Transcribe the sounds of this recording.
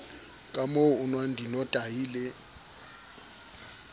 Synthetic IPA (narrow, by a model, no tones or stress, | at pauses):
kʼamounwandʱinɔtʼajiːlɛ